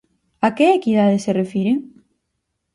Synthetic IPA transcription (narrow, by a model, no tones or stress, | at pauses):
akeekiðaðeserefiɾe